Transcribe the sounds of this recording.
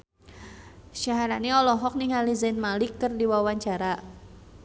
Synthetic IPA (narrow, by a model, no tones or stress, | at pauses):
ʃaɦaɾaniɔlɔɦɔk̚niɦalizanmalikːɨrdiwawaɲt͡ʃaɾa